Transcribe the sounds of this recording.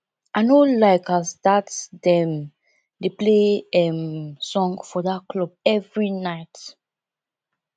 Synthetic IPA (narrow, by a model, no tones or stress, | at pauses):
anolaɪkastatdɛ̃m | depleɛmsɔ̃ŋfɔdat̚klɔb̚ɛvɹinaɪt